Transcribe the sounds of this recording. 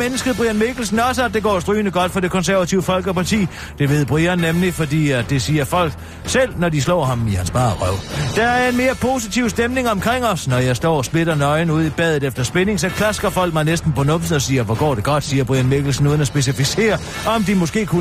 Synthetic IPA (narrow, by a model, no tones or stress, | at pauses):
menəsɡ̥ð̩ˠb̥ʁiænme̝ɡ̥l̩sn̩ɒ̽s̬əædde̝ɡ̥ɒ̰ːsd̥ʁyːnəɡ̥ɒ̽d̥fɒd̥e̝kʰɒ̽nsæɐʋæt͡sʰiʊəfɒ̽lɡ̥əpɑ̈t͡sʰḭː | d̥e̝ʋe̝ð̞̰ˠb̥ʁiɐnːemlifɒ̽d̥ḭːd̥e̝siːɐfɒ̽l̰ɡ̥ | sel̰nɒd̥islɒ̰ːɦɑ̈mihænsb̥ɑ̈ʁœʊ̰d̥ɑæɐe̝nme̝ːɐpʰo̝sit͡sʰiʊ̰sd̥emne̝ŋɒ̽mkʰʁeŋ̰ɒ̽snɒjɑ̈ɪsd̥ɒ̰ːsb̥le̝ɾɐnɒ̽ɪn̩uð̞̰ˠib̥ɛðˠð̩ˠefd̥ɐsb̥ene̝ŋsɒ̽kʰlæsɡ̥ɐfɒ̽l̰ɡ̥mɑ̈ɪnesd̥n̩pɒ̽nɔ̽m̥sn̩ˠɒ̽siːɐʋɒɡ̥ɒ̰ːɾe̝ɡ̥ɒ̽d̥siːɐb̥ʁiænmeɡ̥l̩sn̩ːɔ̽ðˠnæsb̥e̝s̬ifise̝̰ːɐ | ɒ̽md̥imɔ̽sɡ̥e̝̰ːkʰu